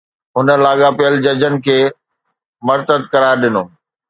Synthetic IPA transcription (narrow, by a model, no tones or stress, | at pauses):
ɦʊnə̆laːɠapɪjəld͡ʑɐd͡ʑənɪ̆kʰeː | mɐɾt̪əd̪̚kɐɾaːɾɗɪnoː